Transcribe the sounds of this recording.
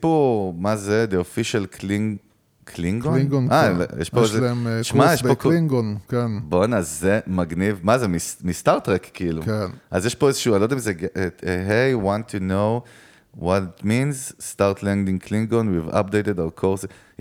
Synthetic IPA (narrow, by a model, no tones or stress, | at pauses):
pomazed̪eofiʃalkʰlĩŋ | kʰlĩŋɡonɡnʔajʔḛʃpoeʃzemʃmaeʃpokliŋɡonkɛnbonazːemaɡnivmazemismist̪aʁt̪ʁekkːiiluenʔazjeʃpoezeʃuːalod̪emzeɡʔeɦejwãntʰːuno | wɔtitmĩnzst̪aʁt̪lɛ̃ndĩŋkʰlĩŋɡonwiva̰p̚d̪ejtedavkʰoʁs